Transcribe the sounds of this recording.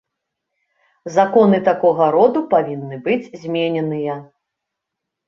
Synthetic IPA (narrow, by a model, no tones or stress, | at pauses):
zakɔnɨt̪akɔɣɐɾɔd̪upavʲinːɨbɨd͡zʲzʲmʲenʲɛnɨjɐ